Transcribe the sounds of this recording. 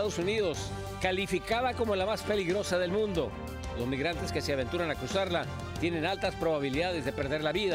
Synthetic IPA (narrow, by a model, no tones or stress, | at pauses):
ðosuniðo̞s | kalifikaðako̞molamaspe̞liɣɾo̞saðe̞lmũnd̪o̞̰ | lo̞zmiɣɾant̪e̞ske̞seaβe̞nt̪uɾanakusaɾla | t̪je̞ne̞nalt̪aspɾo̞βaβ̞iliðaðe̞zðe̞pe̞ɾðe̞ɾlaβiða